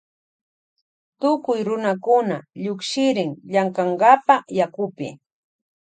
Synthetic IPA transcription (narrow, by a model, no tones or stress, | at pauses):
t̪ʊkʊjɾʊnakʊnaʎʊkʃɪɾɪŋʎaŋkaɴɢɑpajakʊpɪ̰